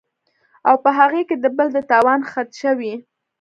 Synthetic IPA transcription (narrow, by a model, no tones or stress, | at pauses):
awpəɦaɣeked̪əbəld̪ət̪ɑwɑnxat̪ʃəwi